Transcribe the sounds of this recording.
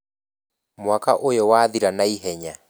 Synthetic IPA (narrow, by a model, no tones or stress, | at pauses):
mwakaʔojɔwaːðiɾanaiɦɛɲa